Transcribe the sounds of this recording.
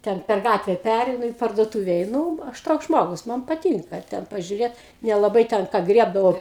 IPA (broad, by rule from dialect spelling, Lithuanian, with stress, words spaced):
ˈtʲɛn pʲɛr ˈɡɑːtʲʋʲɛ ˈpʲærʲɛɪnʊ iː pɐrduɔtuːʋʲɛ ɛɪˈnuː ˈɐʃ ˈtoːks ˈʒmoːɡʊs ˈmɐn pɐˈtʲiːŋkɐ ˈtʲɛn pɐʒʲʊˈrʲeːt nʲɛlˠɐˈbɐɪ tʲɛn ˈkɑː ˈɡrʲiɛbdɐʋɐʊ